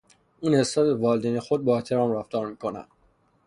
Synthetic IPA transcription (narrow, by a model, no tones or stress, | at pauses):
uːnhesɒːd̪evɒːld̪enexod̪̚bɒːet̪ʰeɾɒːmræft̪ɒːɾmiːkʰonæ̰nd̪̥